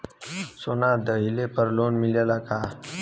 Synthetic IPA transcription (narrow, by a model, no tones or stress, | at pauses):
sonad̪əɦilepəɾlonmiljalakʰa